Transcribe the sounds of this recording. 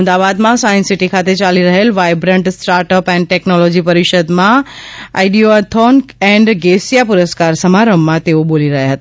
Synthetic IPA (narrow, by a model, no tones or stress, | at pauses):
md̪aʋaːd̪mãsaːə̃nsiʈikʰat̪et͡ɕaːliɾɐɦelʋaːɪbɾə̃ɳʈsʈaːɾʈəpɛ̃ːnʈɛknɔlɔːd͡ʑipɐɾɪʃəd̪mãa̰ːɪɖiot̪ʰɔnkɛ̃ɳɖɡesijapʊɾəskaːɾsɐmaɾəmːãt̪eoɓoːliɾɐɦjaɦət̪ː